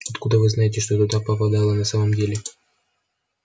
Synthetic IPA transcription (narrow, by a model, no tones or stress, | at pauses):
ɐt̪kud̪əvɨznajɪtʲɪʂt̪ot̪ʊd̪apəpɐd̪alˠənɐsaməmdʲelʲɪ